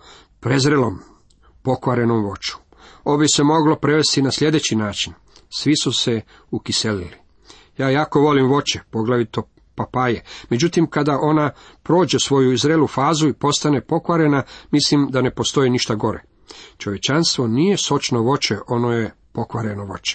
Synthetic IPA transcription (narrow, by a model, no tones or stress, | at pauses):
pɾe̞zɾelo̞m | po̞kʋaɾe̞nomʋo̞t͡ʃu̥ | obise̞mo̞ɡlo̞pɾe̞ʋest̪inaslʲe̞d̪e̞t͡ɕinaːt͡ʃin | sʋisuse | ukiselili | jaːjaːko̞ʋo̞limʋo̞t͡ʃepo̞ɡlaʋit̪o | papaːjemed͡ʑut̪imkad̪aʔo̞napɾo̞ːd͡ʑe̞sʋo̞juizɾelufaːzuipo̞st̪ane̞po̞kʋaɾe̞namislimd̪ane̞po̞st̪o̞iniʃt̪aɡo̞ɾḛ | t͡ʃo̞ʋje̞t͡ʃanst̪ʋo̞nije̞so̞t͡ʃnoʋo̞t͡ʃeʔo̞noje̞ | po̞kʋaɾe̞noʋo̞t͡ʃe̥